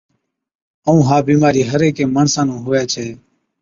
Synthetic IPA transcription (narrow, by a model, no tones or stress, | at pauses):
əũːɦãːbiːmaːɾiːɦəɾeːkeːməːɳsãːnũːɦoːjaːt͡ʃʰeː